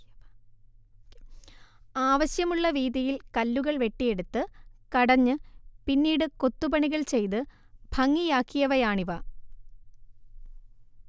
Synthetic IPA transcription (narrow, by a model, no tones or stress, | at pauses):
aːʋɐɕjɐmuɭːɐʋiːðijilkɐlːuɣɐɭʋe̞ʈːije̞ɽut̪ːɨkɐɽɐɲːɨpinːiːɽɨko̞t̪ːubɐɳiɣɐɭt͡ɕe̞jt̪ɨ | b̥ʱɐŋːijaːkːijɐʋɐjaːɳiʋɐ